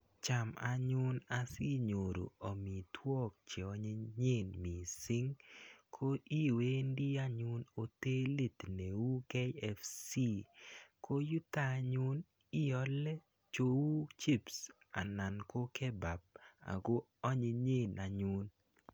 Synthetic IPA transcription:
t͡ʃa˨ma̰˨ɲʊ˦na˦si˦ɲo˨ɾo̰˨ɔ˨mi˨tʰwɔ˦k̚t͡ʃe˨ɔ˦ɲe˦ɲe˦˨nmi˨sɪ˦ŋkʰo˦i˦we˦ndi˦a˦ɲu˦no˨te˦li˦t̪ne˨wu˦ke˦ɛ˦fsi˦ko˦ju˦ta˦ɲu˦n | i˦jɔ˦lɛ˦ | t͡ʃo˦wu˦t͡ʃi˦ps | a̰˨na˨nko˦kɛ˦ba˨b̚a̰˨ɡo˦ | ɔ˦ɲe˨ɲe˦˨na˨ɲu˦n

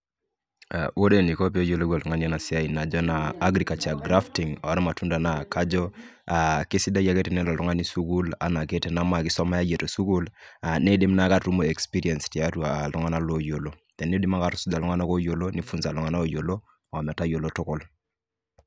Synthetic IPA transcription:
a̰˨wo˦de˨ni˨ko˦p̬i˦o˦jo˨lo˦ɡa˨lu˨ŋa˦ni˦a˦na˨si˦a˦i˨na˨d͡ʒɔ˦naː˨˦ɡɾi˨ka˨t͡ʃa˨ɡɾa˦fti˨ŋɔ˨˦ɾɛ˦ma˨tu˦nda˨na˨ka˦d͡ʒɔ˦a˨ki˦si˦da˦ja˨˦ke˦tɛ˨nɛ˦lɔ˨lu˦ŋa˦ni˦su˦ku˦la̰˨˦na˨ke˦tɛ˨na˦ma˨kɪ˦sɔ˦ma˦ja˦je˨to˨su˦ku˦la˨ne˦di˦mna˦ka˦tu˦mo˨e˨kspi˦ɾi˦ɛ˨nsti˨a˦tu˦a˨a˨lu˦ŋa˦na˦lo˦jo˨lo˦ | dɛ˨nːi˦di˦ma˦ka˨ɾu˨su˦da˨lɔ˦ŋa˦na˦ko˦jo˨lo˦ni˦fu˦nza˨lɔ˦ŋa˦na˦o˨jo˨lo˦˨ | ɔ˨mɛ˨ta˦jo˨lo˦tʊ˦kʊ˨l

